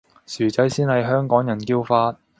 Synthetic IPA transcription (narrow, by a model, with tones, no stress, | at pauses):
syː˨˩t͡sɐ˨˥jsiː˥nhɐ˨jɦœː˥ŋkɔː˨˥ŋjɐ˨˩nkiː˧wfaː˧t̚